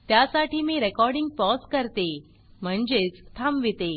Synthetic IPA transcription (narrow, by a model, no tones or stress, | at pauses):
t̪jasaʈiːmiːɾekɔɾɖiŋɡ̚pɔskəɾt̪e | m̤əɳd͡zet͡st̪ʰamʋit̪e